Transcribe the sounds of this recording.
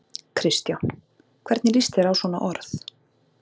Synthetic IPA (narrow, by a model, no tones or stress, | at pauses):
kʰɾɪst̪ja | kʰvɛɾt̪nɪlist̪ɪɾawsvɔːna̰ʔɔɾθ